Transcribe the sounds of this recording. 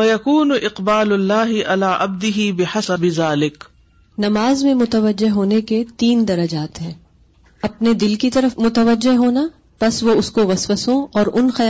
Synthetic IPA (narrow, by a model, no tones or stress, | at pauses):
wɐjɐkuːnʊʔɪqbaːlʊlːaːɦɪʔalaːʔɐb̚d̪ɪɦiːbɪħasɐbɪzaːlɪk | nɐmaːzmẽmʊt̪əʋəd͡ʒːeɦɦoːneket̪iːnd̪ɐɾɐd͡ʒaːt̪ɦɛ̃ː | ɐpned̪ɪlkit̪ɐɾəfmʊt̪əʋəd͡ʒːɪɦɦoːna | pɐsʋoʊskoʋɐsʋəsõɔːɾʔʊnxɐj